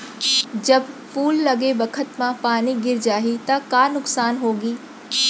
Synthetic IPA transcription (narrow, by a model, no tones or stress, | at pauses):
d͡ʑɐbfuːlːɐɡebɐkʰət̪mãpaːniɡɪɾd͡ʒaːɦit̪ɐkaːnʊksaːnɦoːɡiː